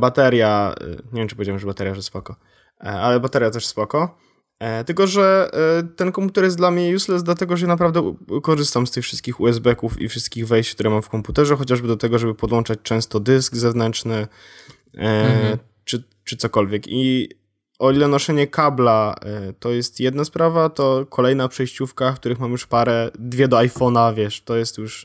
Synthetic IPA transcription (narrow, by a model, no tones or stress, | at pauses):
bat̪ɛɾja̰ɲɛvjɛmt͡ʂɨpɔvʲed͡ʑawmʂbat̪ɛɾjaʐɛspɔkɔ | alɛbat̪ɛɾjat̪ɛʂspɔkɔ | t̪ɘlkɔʐɛt̪ɛnkɔmput̪ɛɾjɛsd̪lamɲɛjuslɛzd̪lat̪̬ɛɡɔʐɛjanap̬ɾavd̪ɛkɔʐɘst̪amst̪ɘxfʂɘst̪kʲixuɛzbɛkufḭfʂɘst̪̚kʲiɣvɛjɕt͡ɕkt̪uɾɛmamfkɔmput̪ɛʐɛxɔt͡ɕaʐbɘd̪ɔt̪ɛɡɔʐɛbɘpɔd̪wɔnt͡ʂat͡ɕt͡ʂɛ̃w̃st̪ɔd̪ɘskzɛvnɛnt͡ʂnɘ | t͡ʂɘ | t͡ʂɘt̪sɔkɔlvʲjɛki | ɔilɛnɔʂɛɲɛkablat̪ɔjɛst̪jɛd̪naspɾavat̪ɔkʰɔlɛjnapʂɛjɕt͡ɕufkakt̪uɾɘxmamjuʂpaɾɛd̪vʲjɛd̪ɔajfɔnavʲjɛʂt̪ɔjɛst̪juʂ